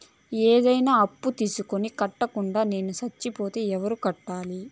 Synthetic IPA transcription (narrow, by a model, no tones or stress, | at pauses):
eːd̪ɐjnaːɐpːut̪iːsuko̞nikɐʈːɐkuɳɖaːne̞ːnusɐt͡ʃːipo̞ːt̪e̞ːɛʋɐɾukɐʈːaːli